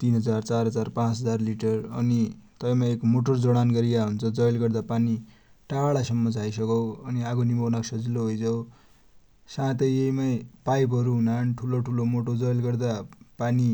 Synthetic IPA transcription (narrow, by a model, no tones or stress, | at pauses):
t̪inɦʌd͡zart͡sarɦʌd͡zarpãt͡sɦʌd͡zarliʈʌrʌ̰nit̪ʌjmaekmoʈʌrd͡zʌɽanɡʌɾijaɦunt͡sʰʌd͡zʌjlɡʌrd̪apani | ʈaɭasʌmːʌd͡zʱajsʌkʌwʌniaɡonimʱʌwnaksʌd͡ziloɦojd͡zʌw | sãt̪ʌjeimapajp̬ɦʌɾuɦunanʈʰuloʈʰulomoʈod͡zʌjlɡʌrd̪apani